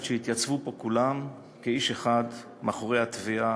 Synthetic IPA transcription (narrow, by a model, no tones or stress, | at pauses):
ʃeit̪jat͡svupo̞kulam | keiʃeχad̪ | maχoʁejhat̪via